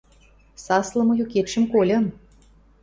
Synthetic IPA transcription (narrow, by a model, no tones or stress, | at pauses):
sɑslˠɤ̆mɤ̆joket̪ʃə̆mkolʲɤ̆n